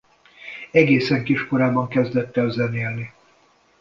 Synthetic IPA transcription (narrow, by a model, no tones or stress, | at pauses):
ɛɡeːsɛŋkiʃko̞ɾaːbɒŋkɛzd̪ɛt̪ːɛlzɛneːlni